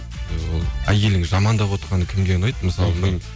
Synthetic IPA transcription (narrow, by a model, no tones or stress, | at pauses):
ewo̞̰lˠæje̞lɪŋʒɑmɑnd̪ɑpwo̞t̪qɑnəkʲʰɪmd̪enɑjt̪məsɑlˠəbɪn